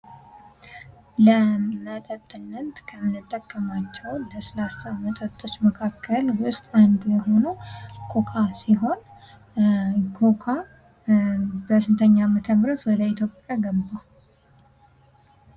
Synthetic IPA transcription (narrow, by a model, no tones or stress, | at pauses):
ləmət̪ʼət̪ʼːɨnːət̪kʰəmɨnɨt̪ʼːəkʼːəmat͡ʃːɛwləsəlasamət̪ʰʼat̪ʰʼːo̞t͡ʃːməkʰakʰːəlwʊst̪ʼand̪ujɛɦo̞nukʰʼokʼʰasiɦo̞n | kʰokʰa | bəsɨnt̪ʰəɲːamət̪ʰəβɾət̪wɔd̪əit̪ʰjo̞pʼjaɡəbːa